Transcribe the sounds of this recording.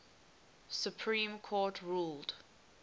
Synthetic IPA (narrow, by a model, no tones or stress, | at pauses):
sjupʰɹĩːmkʰɔtʰɹuːld̥